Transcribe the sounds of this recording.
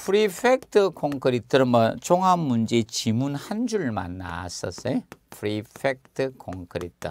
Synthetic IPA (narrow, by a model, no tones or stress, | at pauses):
pʰuɾipʰek̚tʰɯkʰoŋkʰɯɾitʰɯɾmʌt͡ɕʰoŋɦamːund͡ʑet͡ɕimunhand͡ʑuɭma̰nːa̰sʌ̰s͈epʰuɾipʰek̚tʰɯkʰoŋkʰɯɾḭtʰɯ̰